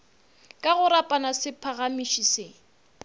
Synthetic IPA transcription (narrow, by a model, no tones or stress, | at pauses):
kʼaɣʊɾapʼanasɪpʰaɣamiʃisɪ